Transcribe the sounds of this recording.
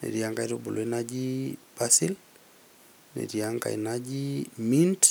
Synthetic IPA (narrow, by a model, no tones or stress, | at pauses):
nḛɾjaŋɡaiɾobolʔoenad͡ʒibasil | nḛɾjaŋɡa̰ḭnad͡ʒimint